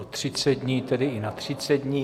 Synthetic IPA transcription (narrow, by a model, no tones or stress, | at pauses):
ot̪r̥ɪt͡sɛd̪ɲiːt̪ɛdɪɪnat̪r̝̥ɪt͡sɛd̪̚ɲi